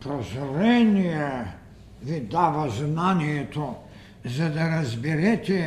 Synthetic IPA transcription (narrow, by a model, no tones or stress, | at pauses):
pɾozoɾɛnʲijɛ | ʋid̪aʋaznanijɛt̪o | zad̪aɾazbiɾɛt̪ʲɛ